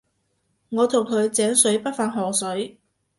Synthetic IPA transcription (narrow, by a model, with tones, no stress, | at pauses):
ŋɔː˨˧t̪ʰʊ˨˩ŋkʰɵ˨˧ɥt͡sɛː˨˥ŋsɵ˨˥ɥpɐ˥t̚faː˧˩nɦɔː˨˩sɵ˨˥ɥ